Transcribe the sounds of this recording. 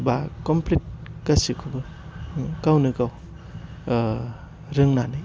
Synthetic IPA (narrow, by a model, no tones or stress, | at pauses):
bakɔmplit̚kasikʰubɯ | kawnɯkaw | ɾɯŋnanɯj